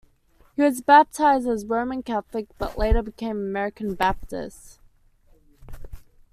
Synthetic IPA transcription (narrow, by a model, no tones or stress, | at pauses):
hiwʌzbæp̚tʰaɪzdəzɹõʊ̃mə̃nkæθlɨk̚b̥ʌ̰ʔleɪɾə˞bɨkʰẽɪ̃məmɛɹɨkɨ̃n̩bæp̚tɪ̰st